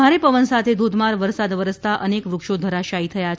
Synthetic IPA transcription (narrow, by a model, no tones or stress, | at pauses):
aɾepəʋənsat̪ʰed̪ʱod̪ʱmaɾʋəɾsad̪ʋəɾəst̪aʔənekʋɾukʃod̪ʱəɾaʃaɦit̪ʰəja